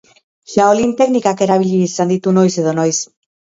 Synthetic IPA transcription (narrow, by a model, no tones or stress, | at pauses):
ʃaolint̪eɡnikakeɾaβiʎisand̪it̪unojseðonojs